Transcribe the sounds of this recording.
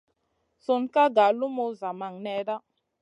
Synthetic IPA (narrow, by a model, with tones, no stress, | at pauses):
so˨nka˦ɡa˨lu˦mo˦za˨ma˨ŋnɛ˨˦ɾa˦